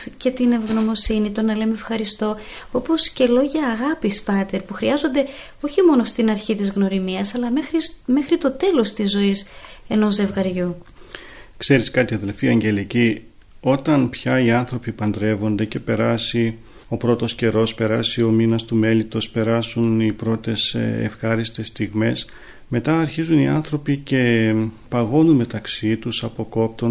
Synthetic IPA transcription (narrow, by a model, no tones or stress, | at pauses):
ce̞t̪inevɣno̞mo̞sinit̪o̞nɐlemeefxɐɾist̪o̞ | o̞po̞sce̞lo̞ʝɐːɣɐpispɐt̪e̞ɾpuxɾiɐzo̞nd̪e̞ | o̞çimo̞no̞st̪inɐɾçit̪izɣno̞ɾimiɐsɐlɐmexɾime̞xɾit̪o̞t̪e̞lo̞st̪izːo̞ise̞no̞ze̞vɣɐɾʝu | kse̞ɾiskɐt̪iɐðelfiɐɲɟe̞lici | o̞t̪ɐnpçɐiɐnθɾo̞pipɐnd̪ɾe̞vo̞nd̪e̞ce̞pe̞ɾɐsi | o̞pɾo̞t̪o̞sce̞ɾo̞spe̞ɾɐsio̞minɐst̪ume̞lit̪o̞spe̞ɾɐsunipɾo̞t̪e̞sḛfxɐɾist̪e̞st̪iɣme̞s | me̞t̪ɐːɾçizuniɐnθɾo̞pice̞pɐɣo̞nunme̞t̪ɐksit̪usɐpo̞ko̞p̚t̪o̞